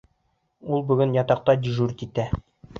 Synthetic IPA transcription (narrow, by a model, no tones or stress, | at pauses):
ulˠbɵ̆ɡɘnjɒt̪ɑq̚t̪ɑd̪ʲiʒuɾkit̪æ